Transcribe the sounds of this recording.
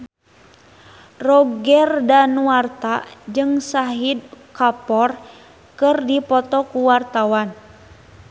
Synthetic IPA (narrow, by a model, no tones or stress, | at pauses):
rɔɡɛrdanuart̪ad͡ʒɨŋsaɦid̚kapɔr | kɨrdipɔt̪ɔkuwart̪awan